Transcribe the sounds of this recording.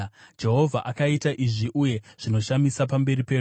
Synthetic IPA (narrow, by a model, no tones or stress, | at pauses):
d͡ʒe̞ɦo̞vʱaʔakaitaʔiʐiʔuje̞ʐ̥ino̞ʃamisapambe̞ɾipe̞ːru